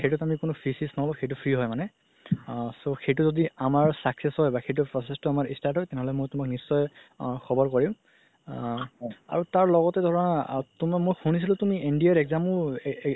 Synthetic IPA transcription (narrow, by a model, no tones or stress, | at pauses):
xejtutamikʊnʊpʰɹisisnɔɔbɔxejt̬upʰɹiɦɔjmanɛ | soxejtuzodiamaɹsaksesɦɔjbaxejt̬upʰɔsɛstʊamaɹistaɹtɦɔjtɛnɛɦɔlɛmojtʊmaknisːɔjxɔbɔɹkɔɹĩʊ̃ | a̰ɹutaɹlɔɡɔtɛdʱɔɹɔnatumamojxunis̬ilʊ̃tumiʔindiaɹɛɡzamʊ